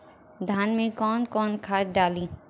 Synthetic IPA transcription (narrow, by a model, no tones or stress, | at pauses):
d̪ʱaːnmẽkɔːnkɔːnkʰaːd͡ʒɖaːliː